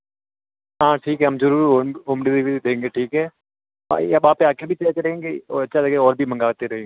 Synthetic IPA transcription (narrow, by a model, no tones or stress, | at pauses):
ɦãːʈʰiːkɦɛɐmzɐɾuːɾʊmɖid̪ibid̪id̪ẽːŋɡeʈʰiːkɦɛː | a̰ɐbaːpːeaːkebʱit͡ʃɐːt͡ʃɾɐɦẽːŋɡeɔ̰ːɾɐtːʃʰalɐɡeɔːɾbʱimɐ̃ŋɡaːt̪eɾɐɦẽːɡe